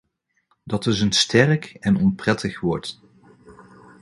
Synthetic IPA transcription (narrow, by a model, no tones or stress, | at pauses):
dɑtɪsənstɛrkɛnɔnprɛtʰəχʋɔɹt